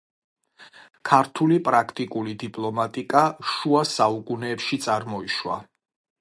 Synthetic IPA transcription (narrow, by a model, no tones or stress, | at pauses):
kʰaɾt̪ʰulipʼɾakʰt̪ʼikʼulid̪ipʼlˠɔmat̪ʼikʼaʃuasaukʼunɛːpʃit̪sʼaɾmɔiʃwa̰